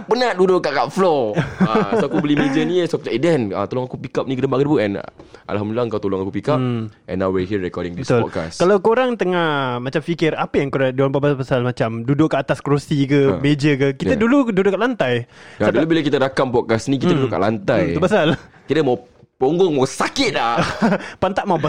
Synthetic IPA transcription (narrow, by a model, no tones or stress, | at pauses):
bənadudʊʔkaʔkaʔflɔaakubəlimed͡ʒəniəsakuadɛnə̰t̪oloŋakupikap̚nikədəmbaʔkədubuɛ̰̃nʔa̰lɦamdəlaŋkawt̪oloŋakupikaʔɛ̰̃nːawweɦiəɾɛkɔdɪŋd̪ibəst̪ʊlɔka̰skalawkoɾaŋt̪əŋahmãt͡ʃamfikɪɾapəjaŋkoɾaŋduampabaspasalmat͡ʃamdudʊʔkəat̪askɾosikəmed͡ʒəkəkit̪ədulududʊʔkaʔlant̪ajadulubilakit̪əɾakampɔt̚kasnĩk̬it̪ədudʊka̰ʔlant̪aj̪upasal | kit̪əmaw | poŋɡɔŋmawsakɪt̪̚lahpant̪aʔmaba